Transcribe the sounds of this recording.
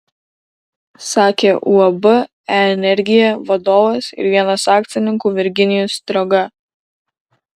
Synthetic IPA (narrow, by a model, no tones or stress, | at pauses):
sɑːkʲeːʔuɐbʊ | ɛnʲɛɾʲɡʲɪjɛʋɐd̪oːʋɐsɪ̰ɾʋʲiɛnɐsɑːk̚t̪ʲɪnʲɪŋkuːʋʲɪɾʲɡʲɪnʲɪjust̪ɾɐɡɐ